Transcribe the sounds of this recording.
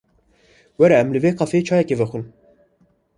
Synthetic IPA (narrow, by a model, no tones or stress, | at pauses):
wɛɾɛɛmlɨveːqʰɑfet͡ʃʰɑːjɛkevɛxʷɨn